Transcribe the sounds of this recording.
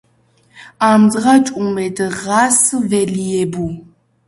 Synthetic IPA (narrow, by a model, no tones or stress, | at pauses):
aːmzʁɐt͡ʃʼumedɨʁaːsɨvelijɛbu